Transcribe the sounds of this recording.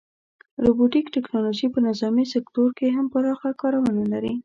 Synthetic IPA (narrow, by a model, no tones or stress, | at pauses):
ɾobuʈikʈɪknɑloʒipənɪzɑmisɪktoɾkeɦampəɾɑxakɑɾawənalaɾi